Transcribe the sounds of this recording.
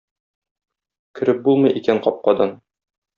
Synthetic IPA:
kɵ̆ɾɘp̚bulˠmɤ̆jʔikæɴqɒp̚qɑd̪ɑn

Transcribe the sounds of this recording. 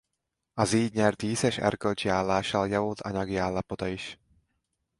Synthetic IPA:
ɒziːɟɲɛrt̪iːsɛʃɛ̰rkølt͡ʃiaːlːaːʃɒljɒvolt̪ʰɒɲɒɡiaːlːɒpo̞t̪ɒiʃ

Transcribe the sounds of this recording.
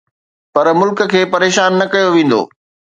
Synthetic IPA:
pɐɾmʊlkə̆kʰeːpɐɾeːʃaːnːɐkɐjoʋẽːn̆d̪o̰ː

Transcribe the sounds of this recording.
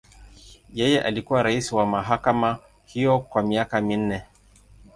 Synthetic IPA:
jɛjɛʔalikuwaɾaisiwamaɦakama | hijɔkwamiakamin̩nɛ

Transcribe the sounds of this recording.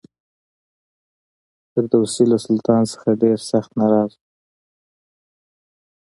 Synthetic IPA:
t̪əɾd̪awsilasʊlt̪ɑnsə̥xaɖeɾsaxt̪naɾɑz

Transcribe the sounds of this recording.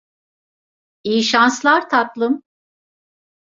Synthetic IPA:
ijiʃanslˠaɾt̪ʰat̪lˠɯm

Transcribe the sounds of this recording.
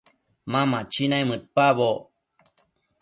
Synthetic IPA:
mãmat͡ʃinajmɨt̪̚paβo

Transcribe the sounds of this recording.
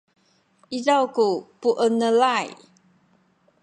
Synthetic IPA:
ʔizawkupuʔənəlaj

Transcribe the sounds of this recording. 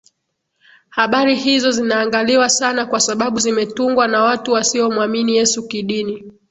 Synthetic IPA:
haɓaɾihizɔzinaːŋɡaliwasanakwasaɓaɓuzimɛtuŋɡwanawatuwasiɔmwaminijɛsukiɗini

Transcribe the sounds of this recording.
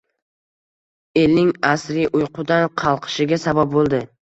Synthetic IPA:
e̞lnɪŋasɾɪʔʊjqʰʊd̪anqʰɑlˠqʰɨ̥ʃɪɡʲasabap̚bolˠd̪ɪ

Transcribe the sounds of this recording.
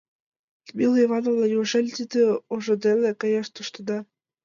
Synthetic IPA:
mʲilˠevɑnovlˠɑjuʃelʲt̪id̪ĕoʒɤ̆d̪elekɑjɑʃt̪uʃt̪ɤ̆d̪ɑ

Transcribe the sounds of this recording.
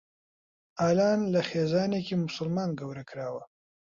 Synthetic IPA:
aːlaːnlɐxeːzaːnekiːmʊsʊlmaːnɡɐwɾɐkɾaːwɐ

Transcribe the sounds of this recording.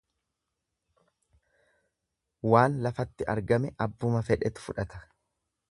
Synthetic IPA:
waːnlɐfɐt̪ːɪʔɐ̰ɾɡɐmɛʔɐbːʊmɐfɛᶑɛt̪ʊ̥fʊᶑɐt̪ɐ̥

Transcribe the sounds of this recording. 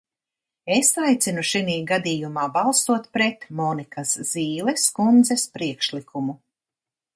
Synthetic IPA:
esajt̪sinuʃiniːɡad̪iːjumaːbalˠsuɔt̪pɾet̪mɔːnikasz̥iːlˠɛskund̪zɛspɾiɛkʃlikʰumu

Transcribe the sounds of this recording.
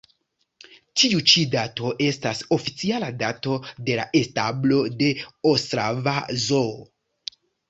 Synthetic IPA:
tiut͡ʃidato̞ʔe̞staso̞fit͡sialadato̞de̞la̰ʔe̞stablo̞de̞osɾavazo

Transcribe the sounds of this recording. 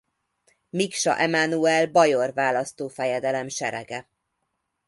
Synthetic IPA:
mikʃɒ̰ʔɛmanuɛlbɒjorvaːlɒst̪oːfɛjɛd̪ɛlɛmʃɛɾɛ̰ɡɛ

